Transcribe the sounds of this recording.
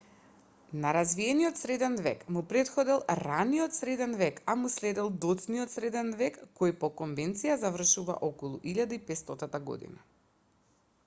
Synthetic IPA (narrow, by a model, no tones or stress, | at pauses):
naɾazviɛniɔt̪sɾɛd̪ɛnvɛkmupɾɛt̪xɔd̪ɛlˠɾaniɔt̪sɾɛd̪ɛnvɛkamuslɛd̪ɛlˠd̪ɔt̪sniɔt̪sɾɛd̪ɛnvɛkːojpɔkɔnvɛnt̪sijazavr̩ʃuva̰ʔɔkɔlˠṵʔiʎad̪aipɛst̪ɔt̪at̪aɡɔ̰d̪ḭna